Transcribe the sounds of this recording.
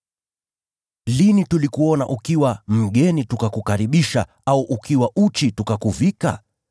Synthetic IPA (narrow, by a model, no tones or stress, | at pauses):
linitulikuɔnaʔukiwam̩ɠɛnitukakukaɾiɓiʃa̰ | auʔukiwaʔut͡ʃitukakuvika̰